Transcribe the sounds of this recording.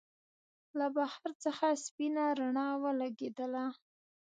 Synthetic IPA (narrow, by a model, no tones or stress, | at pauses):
labahaɾt͡səxaspinaɾaɳɑwəlaɡed̪əla